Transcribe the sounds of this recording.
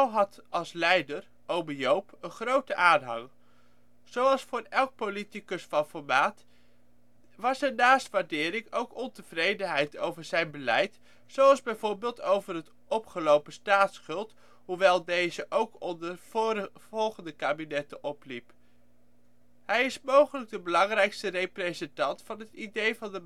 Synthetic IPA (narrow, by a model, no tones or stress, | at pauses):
ɔwɦɑtɑlˠslɛjdər | ʔowmijowpənχrowtəʔaːnɦɑ̰ŋ | z̥owɑlˠsfʊːɹɛlˠk̚politikɵsfɑnfɔɹmaːt | ʋɑsɛɹnaːstʋaːɹdɪːɾɪŋowkɔntəv̥rejdənɦɛjtowvəɹzɛjnbəlɛjt | sowɑlˠzbɛjvʊːɹbɪːlˠtowvərɦət | ʔɔpχəlowpəstaːtsχɵlˠt | ɦuʋɛlˠdejzəʔowkɔndəɹv | vɔlˠχəndəkaːbinɛtəʔɔplip | ɦɛjɪsmowχələɡ̚dəbəlɑŋrɛjkstərejprezəntɑntfɑnɦətidejvɑndə